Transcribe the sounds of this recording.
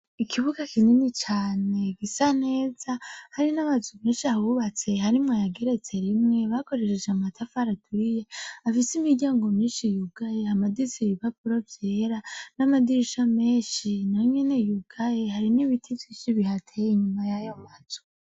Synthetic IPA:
ikʰiβuɡakʰininit͡ʃaːne̞ɡisane̞ːzahaɾinaβazumeːnʃiaβuβat͡se̞ɦaɾimŋajaɡe̞ɾe̞t͡se̞ɾimŋe̞βako̞ɾeʃed͡ʒeamatʰafaɾatuɾije̞afisimiɾɟaːŋɡo̞mɲiːnʃijuɡ̥aje̞amadizeβiβapuɾovjeːɾanamadiɾiʃame̞ːʃinajoɲene̞juɡ̥aje̞haɾiniβitʰivjiːʃiβihatʰejiɲumajajomaz̥o

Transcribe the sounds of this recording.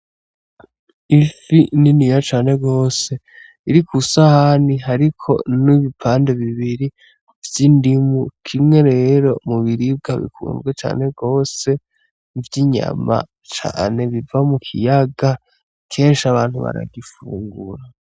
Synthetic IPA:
ifininijat͡ʃaːne̞ɡo̞ːse̞ | iɾikusahaniɦaɾikʰo̞̰niβipʰaːnde̞βiβiɾi | vjindimukʰimŋe̞ɾe̞ɾo̞muβiɾib̚ɡaβḭkʰṵmbɡet͡ʃa̰ːne̞ɡo̞ːse̞ | vjiɲa̰ma̰ | t͡ʃa̰ːne̞βivamukʰḭjaɡa | kʰe̞ːnʃiaβaːn̥huβa̰ɾa̰ɡifuːŋɡuɾa

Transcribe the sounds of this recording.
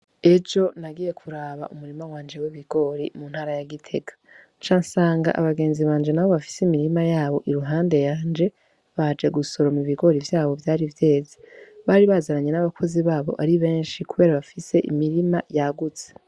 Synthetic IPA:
e̞d͡ʒo̞naɡije̞kʰuɾaβa̰ʔumuɾimawaːnd͡ʒe̞wiβiɡo̞ɾimun̥haːɾajaɡitʰe̞ɡḁ | t͡ʃansaːŋɡa̰ʔa̰βaɡe̞ːnziβaːnd͡ʒe̞naβo̞βafi̥simiɾimajaːβo̞ʔiɾuɦaːnde̞jaːnd͡ʒe̞ | βad͡ʒe̞ɡuso̞ɾomuβiɡo̞ɾivjaːβo̞vjaːɾivje̞ːzeβaɾiβazaɾaɲe̞naβakʰo̞ziβaːβo̞̰ʔaɾiβe̞ːnʃikuβe̞ɾaβafise̞ʔḭmiɾimajaɡut͡se̥

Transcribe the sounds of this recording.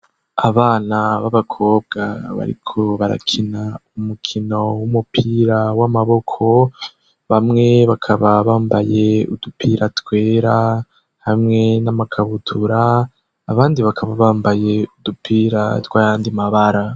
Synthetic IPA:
aβaːnaβaβakʰo̞ːb̚ɡaβa̰ɾḭkʰo̞βaɾa̰kʰinaumukʰino̞wumupʰiːɾawamaβo̞kʰo̞ | βamŋe̞βakʰaβaβaːmbaje̞udupʰiːɾatwe̞ːɾa | hamŋe̞namakʰaβutʰuɾaː | βaːndiβakʰaβaβaːmbaje̞udupʰiːɾa̰twaːjaːndimaβaɾa

